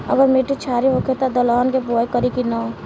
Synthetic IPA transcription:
ə̰ɡəɾmeʈit͡ʃʰaːɾiɦoːket̪ad̪əlaːnkepoːekəɾikina

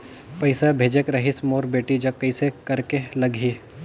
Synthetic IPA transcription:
pɐɪsabʱeːd͡ʒekɾɐɦɪsmoːɾbeːʈid͡ʒɐkːɐɪsekɐɾkelɐɡʱiː

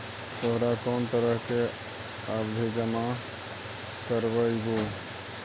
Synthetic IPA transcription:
t̪oɦɾakont̪əɾəɦke | abd̪ʱid͡ʒəma | kəɾbəjɡo

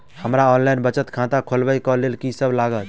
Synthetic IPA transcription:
həmɾaɔnlajnbət͡ʃət̪kʰãt̪ãkʰolbəjkɔlelkisəblaɡət̪

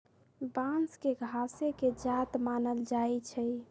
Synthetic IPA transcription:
bãnskeɡʱaseked͡ʒat̪manəld͡ʒajt͡ʃʰɛ

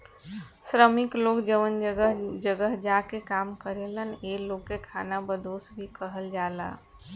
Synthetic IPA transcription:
sɾəmiklokd͡ʒəʋənd͡ʒəɡəɦd͡ʒəɡəɦd͡ʒakekamkəɾeləneloɡːekʰanabəd̪osbʱikəɦəld͡ʒala̰

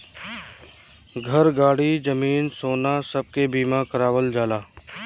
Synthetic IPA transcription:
ɡʱɐɾɡaːɽid͡ʒɐmiːnsoːnasɐb̚kebiːmakəɾaːʋəld͡ʒaːlaː

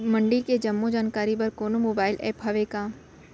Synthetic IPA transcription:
mɐ̃ɳɖiːlked͡ʒɐmːod͡ʒaːnkaːɾibɐɾkoːnomoːbaːɪlʔɛ̰ːpɦɐʋekaː

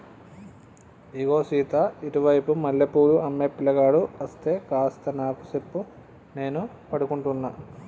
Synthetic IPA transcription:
iɡo̞ːsiːt̪aiʈiʋɐjpumɐlːɐpuːɾuɐmːeːpːilɐɡaːɽuɐst̪e̞ːkaːst̪ɐnaːku̥sepːu | ne̞ːnu | pɐɽukuɳʈunːaː

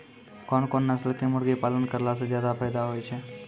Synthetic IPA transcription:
kɔːnkoːnːasləkemʊɽɡepaːlənkəɾlas̬ezjaːd̪apʰaːjd̪aɦoːit͡ʃʰe

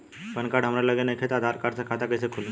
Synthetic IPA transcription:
pənkaɽɦəmɾaləɡenakʰet̪ad̪ʱaɾkaɾt͡sakʰat̪akəjsekʰul

